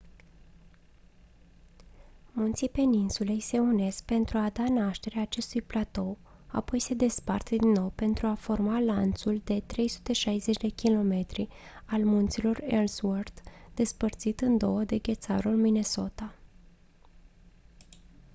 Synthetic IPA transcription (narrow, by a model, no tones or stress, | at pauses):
munt̪sipe̞ninsule̞jse̞une̞sk̚pe̞nt̪ɾuad̪anaʃt̪e̞ɾeaːt͡ʃe̞st̪ujplat̪o̞ | a̰po̞jse̞d̪e̞spart̪əd̪inːo̞wpe̞nt̪ɾuafo̞rmalant̪suld̪e̞t̪ɾe̞jsu̥t̪e̞ʃajzet͡ʃd̪e̞kʲilo̞me̞t̪ɾialmunt̪silo̞relsword̪d̪̥e̞spərt̪sit̪ɨnd̪o̞wəd̪e̞ɡʲe̞t̪sa̰ɾulmine̞so̞t̪a